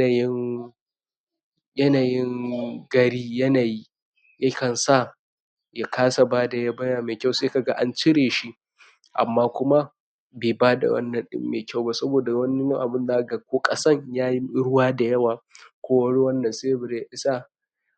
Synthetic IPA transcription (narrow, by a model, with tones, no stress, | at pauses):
a˨jɪ˦ŋ | jɐ˦naː˨jɪ˦ŋɡɐ˨ɽiː˦jɐ˦naː˨ji˦ | ja˦kɐ˨nsa˦˨ | ja˨kʰaː˦sa˨baː˦da˨ja˦bɐ˦jaː˨meː˨kʲa˦˨wseː˦ka˨ɡa˦ʔa˦nt͡ʃɪ˦ɽeː˨ʃi˦ | ʔa̰˨mːaː˦kʷʊ˦ma˦ | beː˨baː˦da̰˨wɐ̰˦nːɐ˨nɗɪ̰˦mːeː˨kʲa˦˨wba˦sɐ˦boː˨da˨wɐ˦n˦jɐ˦ʔa˨bɪ˦nzaː˦˨ɡa˨kʷoː˦kʼɐ˦sɐ˦ɲjaː˦ji˦ɽʊ˦waː˦da˨jɐ˦waː˨kʷoː˦wɐ˦ɽi˦wɐ˦nːɐ˨seː˦˨bɪ˨ɾja˦˨ʔɪ˦sa˦